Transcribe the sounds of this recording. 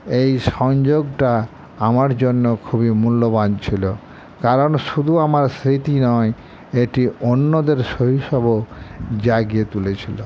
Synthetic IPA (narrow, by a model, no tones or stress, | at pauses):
ejʃɔŋd͡ʑoɡʈa | amaɾd͡ʑonːokʰubimulːobant͡ɕʰilo | kaɾonʃud̪ʱuamaɾsɾit̪inɔe | eʈionːod̪eɾʃoɦiʃɔbʱod͡ʑaɡiet̪ulet͡ɕʰilo